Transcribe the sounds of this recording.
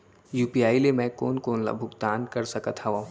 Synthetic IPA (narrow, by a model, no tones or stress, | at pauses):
juːpijaːilemɛ̃koːnkoːnla̰bʱʊkt̪aːnkɐɾsɐkət̪hɐʋa